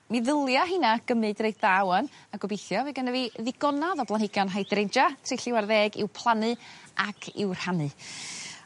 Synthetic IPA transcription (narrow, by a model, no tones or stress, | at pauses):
miðəlˠjaɦinaɡ̥əmɨdrejddawənaɡɔbɪjθjɔviɡənəviðɪɡɔnaðɔb̥lˠanhɪɡjɔnɦajdrejnd͡ʒatʰrɪjɬɪwarðɛːɡɪ̰wpʰlˠanɨʔakʰɪ̰wr̥hanɨ